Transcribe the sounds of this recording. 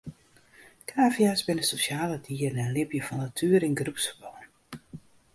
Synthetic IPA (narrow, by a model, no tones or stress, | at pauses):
kʰaːvjasbɪnəsosjaːlətʰiːərnɛnlɪpjəfɔnːatʰyːəɾɪnɡrupsəbon